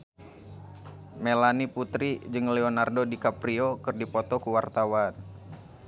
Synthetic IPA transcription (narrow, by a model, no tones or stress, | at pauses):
melaniput̪ɾid͡ʒɨŋlɛonardodikapɾiokɨrdipɔt̪ɔkuwart̪awan